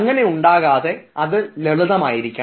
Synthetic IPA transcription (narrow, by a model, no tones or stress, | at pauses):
ŋːɐne̞uɳɖaːɣaːðe̞ɐðɨleɭɐðɐmaːjiɾikʲːa